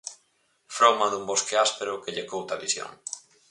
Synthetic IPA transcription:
fɾowmɐðumboskeaspeɾʊkeʎekowt̪aβisjo̰ŋ

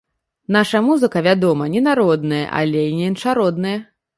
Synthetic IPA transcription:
naʂɐmuzɨkɐvʲad̪ɔmɐnʲɛnaɾɔd̪nɨjɐ̰ʔa̰lʲɛinʲɛɛnʂaɾɔd̪̚nɨjɛ

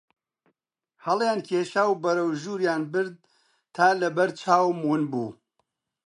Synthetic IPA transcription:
hɐlˠjaːnkʰeːʃaːwbɐɾɐwʒuːɾjaːnbɨɾd̪̚ | t̪ʰaːlɐbɐɾt͡ʃʰaːwmwunbṵː

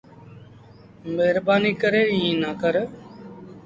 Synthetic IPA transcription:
meɦɾbaːniːkəɾeːĩːnaːkəɾ

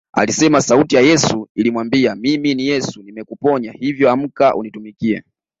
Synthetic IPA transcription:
a̰lisɛmasautijajɛsuilimwambiamiminijɛsunimɛkupɔɲahivjɔam̩kaʔṵnitumikiɛ̰

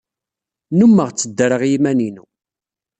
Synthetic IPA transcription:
numːəʁt͡sːəd̪ːɾəʁjimæninṵ

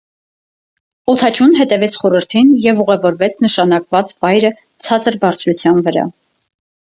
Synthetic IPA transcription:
ɔt̪ʰɑt͡ʃʰunɦɛt̪ɛvɛt͡sʰχɔɾəɾt̪ʰinjɛvuʁɛvɔɾvɛt͡sʰnəʃɑnɑkvɑt͡svɑjɾə | t͡sʰɑt͡səɾbɑɾt͡sʰɾut͡sʰjɑnvəɾɑ̰

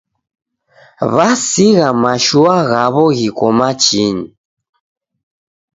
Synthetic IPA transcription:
βasiɣamaʃuaɣaβɔɣikɔmat͡ʃiɲi

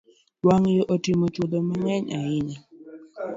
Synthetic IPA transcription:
waŋjɔʔɔtɪmɔt͡ʃolɔmaɲɛɲaɪɲa

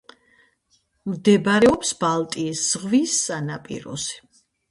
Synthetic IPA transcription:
md̪ɛbaɾɛɔpsbalˠt̪ʼiːsz̥ʁvisːanapʼḭɾɔ̰zɛ̥

